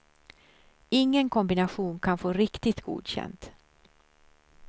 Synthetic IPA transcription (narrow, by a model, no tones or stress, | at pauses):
ɪŋːənkʰɔmbɪnaɧuːnkʰanfoːɾɪkt̪ɪt̪ɡṵːd̪ɕɛ̰nt̪